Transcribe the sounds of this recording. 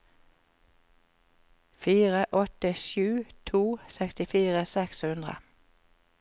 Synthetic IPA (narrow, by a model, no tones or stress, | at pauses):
fiːʁəʔɔt̪əʃʉːt̪ʰuːsɛkst̪ɪfiːʁəsɛkshʉnd̪ʁə̰